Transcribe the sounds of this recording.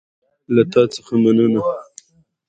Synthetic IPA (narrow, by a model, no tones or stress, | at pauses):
lat̪ɑt͡sə̥xamanəna